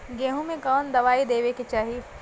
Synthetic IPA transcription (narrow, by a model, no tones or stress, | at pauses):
ɡẽːɦũmẽkɔːnd̪ɐʋaːid̪eːʋekit͡ʃaːɦi